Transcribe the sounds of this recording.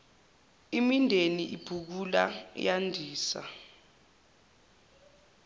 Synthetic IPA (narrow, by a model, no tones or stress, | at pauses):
imindʱeniʔib̥ʱuk̬ulajandʱiːsa̰